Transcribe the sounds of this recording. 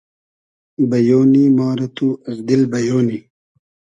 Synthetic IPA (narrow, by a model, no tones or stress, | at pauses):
bɐjoːnimɑːɾɐt̪uɐzd̪ilbɐjoːni